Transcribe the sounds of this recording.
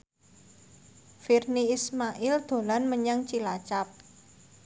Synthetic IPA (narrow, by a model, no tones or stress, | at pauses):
firniːsmaʔɪld̪̥o̤lanməɲaŋt͡ʃilat͡ʃap̚